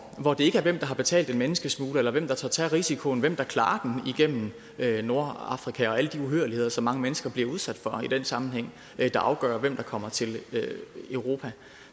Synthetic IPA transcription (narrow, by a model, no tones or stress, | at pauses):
ʋɒd̥e̝e̝ɡ̥əæɐʋem̰d̥ɑ̈ɦɑ̈b̥e̝t͡sʰɛ̰ːld̥enmenəsɡ̥əsmuːləelɐʋem̰d̥ɑ̈t͡sʰɑːt͡sʰæʁisikʰo̝n̩ʋem̰d̥ɑ̈kʰlɑ̰̈ːɐd̥eniɡ̥em̰m̩ | øno̝ɐɑ̈fʁikʰæɒ̽æləd̥iuɦøɐlihe̝ð̰ˠɐsɒ̽mːɑ̈ŋəmenəsɡ̥ɐb̥liɐuð̞ˠsæd̥fɒ̽id̥en̰sɑ̈mn̩ɦeŋ̰ | d̥ɑ̈ʔɑ̈ʊɡ̥ɶːɐʋem̰d̥ɑ̈kʰɒ̽m̰ɐt͡sʰe̝l | øʊʁo̝pʰæ